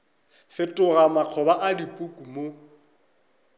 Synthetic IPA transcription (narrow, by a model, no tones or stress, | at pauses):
fɪtʼʊɣamaq͡χʰɔbaʔadipʼukʼumo